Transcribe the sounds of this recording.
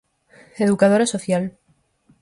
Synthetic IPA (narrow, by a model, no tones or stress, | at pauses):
eðukað̞oɾasoθjal